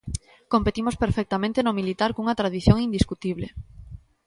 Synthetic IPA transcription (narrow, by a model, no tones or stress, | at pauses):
kompet̪imospeɾfɛk̚t̪amẽnt̪enomilit̪aɾkuŋɐt̪ɾaðiθjõŋind̪iskut̪iβle